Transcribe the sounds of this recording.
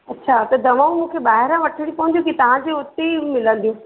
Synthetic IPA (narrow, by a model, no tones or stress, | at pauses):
ɐtːɕʰat̪ɐd̪ɐʋaũmũːkʰeɓaːɦɪɾãʋɐʈʰɪɽipɐɦə̃nd̪ijũkit̪ɐʋ̤ãd͡ʑeʊt̪eimɪlə̃nd̪iũː